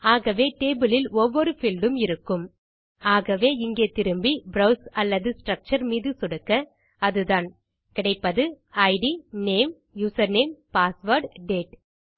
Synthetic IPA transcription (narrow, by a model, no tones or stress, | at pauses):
aːɣɐʋeːʈeːbɯlɪlɔʋːɔɾɯfɪlɖɯmɪɾɯkːɯm | aːɣɐʋeːɪŋɡeːt̪ɪɾɯmbibɾɐʊsɐlːɐðɯsʈɾɐk̚t͡ʃɐɾmiːðɯsʊɽɯkːɐ | ɐðɯðaːn | kɪɽɐɪpːɐðɯ | ɐɪɖineːm | juːsɐɾneːmpaːsʋɐɾɖɖeːʈ